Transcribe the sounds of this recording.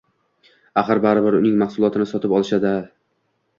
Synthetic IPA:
aχɨɾbaɾɪbɪɾʊnɪŋmahsʊlˠɒt̪ʰɪnɪsɒt̪ʰɪpɒlˠɪʃad̪ɪ

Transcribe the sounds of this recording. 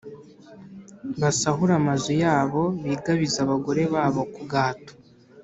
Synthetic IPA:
βasaɦuɾamazujaːβo̞βiːɡaβizaβaɡo̞ɾe̞βaːβo̞kuɡaːto̥

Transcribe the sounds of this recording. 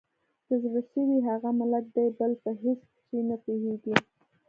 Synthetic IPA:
kəzɽaʃəwiɦaɣamɪlak̪̚d̪ajbəlpəɦesksenapeheɡi

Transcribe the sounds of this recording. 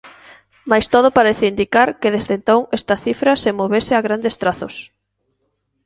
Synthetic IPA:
majst̪oð̞ʊpaɾeθɪind̪ikaɾkeðezðent̪oŋest̪ɐθifɾɐsemoβesɪaɣɾand̪est̪ɾaθʊs

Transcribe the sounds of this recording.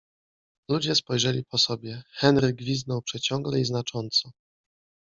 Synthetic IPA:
lud͡ʑɛspɔjʐɛlʲipɔsɔbʲjɛxɛnɾɘɡːvʲiznɔwpʂɛt͡ɕɔŋɡlɛiznat͡ʂɔnt̪sɔ

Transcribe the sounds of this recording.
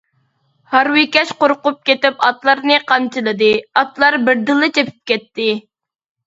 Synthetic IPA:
hɑɾwɪkʲɛʃqoɾqʊp̚kʲet̪ɪpɑt̪lˠɑɾnɨqʰɑnt͡ʃʰɨlˠɨd̪ɨɑt̪lˠɑɾbɪɾd̪ɨlˠɨt͡ʃʰepʰy̥p̚kʲɛt̪ːɪ

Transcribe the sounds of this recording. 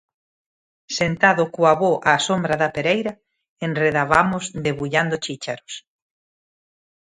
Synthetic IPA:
sent̪aðʊkoaβoʔasombɾaðɐpeɾejɾɐ | enreðaβamʊzd̪eβuʎand̪ʊt͡ʃit͡ʃeɾos

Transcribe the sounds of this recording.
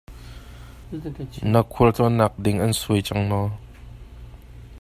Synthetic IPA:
nakʰult͡sɔnak̚dɪŋʔɐnsujt͡ʃaŋnɔ

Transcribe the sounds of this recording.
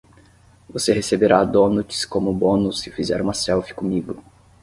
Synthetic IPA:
vosehesebeɾad̪õnut͡ʃi̥skõmʊbõnʊsɪfizɛɾumasɛwfi̥kõmiɡʊ

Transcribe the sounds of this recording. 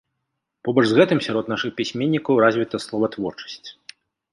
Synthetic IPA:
pɔbɔʐzɣɛt̪ɨmsʲaɾɔt̪naʂɨxpʲisʲmʲenʲːikɐwɾazʲvʲit̪ɐslˠɔvɐt̪vɔrt͡ʂɐ̥sʲt͡sʲ

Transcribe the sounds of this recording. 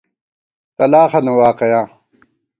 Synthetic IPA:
t̪ɐlaːχɐnewaːqejãː

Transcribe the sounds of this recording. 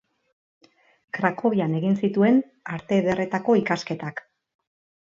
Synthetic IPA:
kɾako̞βiane̞ɣinsit̪ue̞n | aɾt̪e̞βe̞re̞t̪ako̞ikaske̞t̪ak

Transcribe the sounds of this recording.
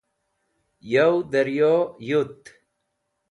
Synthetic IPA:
jɐwd̪ɐɾjojut̪

